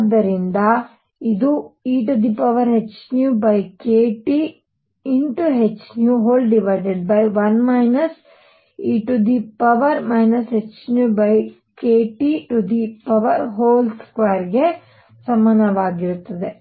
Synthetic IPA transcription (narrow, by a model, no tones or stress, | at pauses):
d̪ːɐɾind̪ɐ | id̪uiːʈud̪ipɐʋɐɾɦet͡ʃnjuːbɐjkeːʈi | iɳʈuɦet͡ʃnjuɦoːlɖiʋɐɾʈeɖ̚bɐjʋɐnmɐjnɐs | iːʈud̪ipɐʋɐɾmɐjnɐsɦet͡ʃnjuːbɐj | keːʈiʈud̪ipɐʋɐɾɦoːlskʋaːjɾɡe̞ | sɐmːaːnɐʋaːɡiɾut̪ːɐd̪e